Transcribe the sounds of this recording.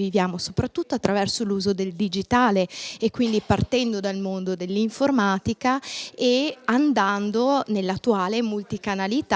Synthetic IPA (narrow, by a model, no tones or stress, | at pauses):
vivjaːmosopɾat̪ːut̪ːoat̪ːɾavɛrsoluːzod̪eld̪id͡ʒit̪aːleekːwind̪ipart̪ɛnd̪od̪almond̪od̪elːiɱformaːt̪ikaeand̪and̪onelːat̪ːuaːlemult̪ikanalit̪